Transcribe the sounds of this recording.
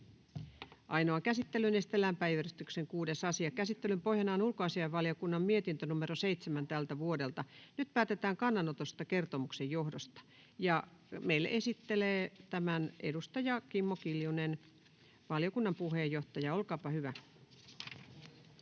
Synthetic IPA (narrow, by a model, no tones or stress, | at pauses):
ʔɑinoɑkæsit̪ːelynest̪elːæmpæjyøryst̪ykseŋkuːdesɑsiɑkæsit̪ːelympo̞hjɑnɑːnulkoɑsiɑjʋɑljokunːɑmmiet̪int̪ønumerosejt̪semænt̪ælt̪æʋuodelt̪ɑnyt̪pæːt̪et̪æːŋkɑnːɑnot̪ost̪ɑke̞rt̪omuksejjo̞hdost̪ɑ̥ | jɑmeilːḛʔe̞sit̪ːeleːt̪æmænḛdust̪ɑjɑkimːokiljunen | ʋɑljokunːɑmpuheːjːo̞ht̪ɑjɑolkɑːpɑhyʋæ